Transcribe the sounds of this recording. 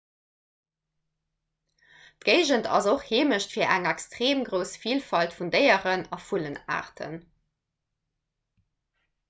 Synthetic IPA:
tɡ̥eɪʒəntʰɑ̰zoχheːməʃtfiːɐʔæŋækstʁeːmɡʁəʊsfiːlfɑltfundəɪəʁənɑfuləna̰ːʁtʰə̰n

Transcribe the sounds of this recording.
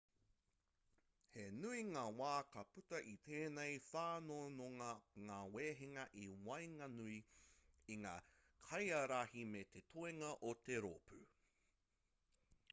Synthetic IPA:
henuiŋaːwaːkɐpʉtɐʔit̪ʰeːnejfaːnonoŋɐŋaːweːɦeŋɐʔiwɐjŋɐnui | iŋaː | kʰɐjɐɾahimet̪ʰetʰoeŋɐʔot̪eɾopʰʉ

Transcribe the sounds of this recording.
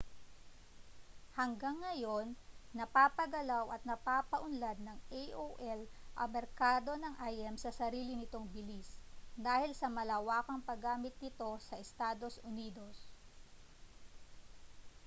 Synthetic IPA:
hɐŋɡaŋːɐjo̞nːɐpaːpɐɡɐlawʔɐt̪̚nɐpaːpɐʔʊnlad̪̚nɐŋejʔoʔɛlʔɐ̰mɛɾkaːd̪o̞nɐŋʔajʔɛmsɐsɐɾiːlɪnɪt̪o̞ŋbɪlisd̪aːhɪlsɐmɐlɐwaːkɐŋpɐɡaːmɪt̪̚nɪt̪o̞sɐʔɛst̪aːd̪o̞sʔʊniːd̪o̞s

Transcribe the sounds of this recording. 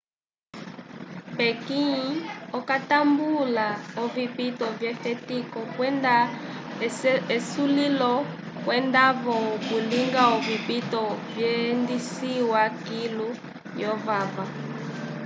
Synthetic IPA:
pɛkiɲiɔkatambulaɔvipitɔvjɛfɛtikɔkwɛnda | ɛsulilɔ | kwɛndaβɔkuliŋɡaɔvipitɔvjɛndisiwakilu | jɔvava

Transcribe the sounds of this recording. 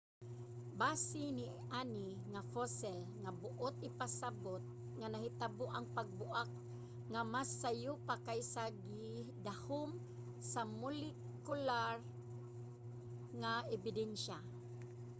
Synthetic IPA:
baːsɪni | aniŋafosɛlŋabʊʔot̪̚ʔɪpasabot̪̚ | ŋanahɪt̪aboʔaŋpaɡ̚bʊʔak̚ | ŋamasːajupakajsaɡɪd̪ahʊm | samʊlɪ | kʊlar | ŋaɛbɪdɛnʃa

